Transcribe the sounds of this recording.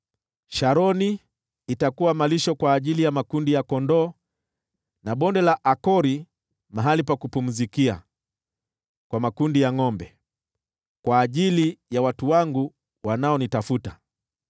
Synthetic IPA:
ʃaɾɔniː | takuwamaliʃɔkwaːʄilijamakundijakɔndɔː | naɓɔndɛlaʔakɔɾi | maɦalipakupum̩zikia̰ | kwamakundijaŋɔmbɛ | kwaːʄilijawatuwaŋɡu | wanaɔnitafuta

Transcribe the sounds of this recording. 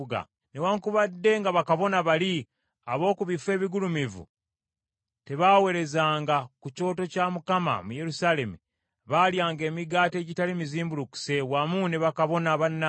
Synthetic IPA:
ɡa̰ | newaŋkuβadːe̞ŋɡaβakaβo̞naβali | aβo̞ːkuβifwe̞ːβiɡulumivṵ | te̞βawe̞ɾe̞zaːŋɡakuco̞ːto̞caːmukama̰muje̞ɾusaːle̞mu | βaːljaːŋɡe̞ːmiɡaːte̞ːɟitalimiziːmbuluku̥se̞wamuneβakaβo̞naβanːa

